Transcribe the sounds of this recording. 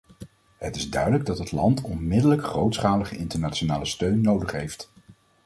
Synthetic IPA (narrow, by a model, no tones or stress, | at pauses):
ɦətɪzdœɥdələɡ̚dɑtɦətlɑ̰ntɔnmɪdələkχrowtsχaːləχəʔɪntəɹnaːt͡ʃonaːləstøɥnːowdəχɦejft